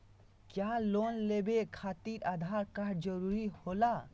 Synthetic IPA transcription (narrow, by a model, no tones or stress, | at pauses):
kjalonlebekʰat̪iɾad̪ʱaɾkad͡ʒəɾuɾihola